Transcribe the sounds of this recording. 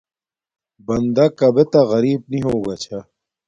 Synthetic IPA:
bɐnd̪akɐbet̪ɐɣɐɾiːb̚niɦoːɡat͡ɕʰa

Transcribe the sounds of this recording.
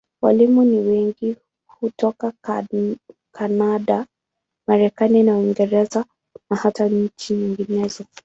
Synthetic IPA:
wa̰limuniwɛŋɡi | hutɔka | kʰanaɗa | maɾɛkaninawiŋɡɛɾɛza | nahataɲ̩t͡ʃiɲiŋɡinɛzɔ

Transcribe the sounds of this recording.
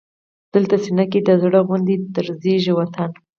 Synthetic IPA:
d̪̥əlt̪asinakid̪əzɽəɣʊnd̪et̪əɾzeʒiwat̪an

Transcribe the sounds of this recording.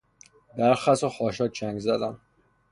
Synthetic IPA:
bæɾxæsoxɒːʃɒːt͡ʃæŋɡzæd̪æm

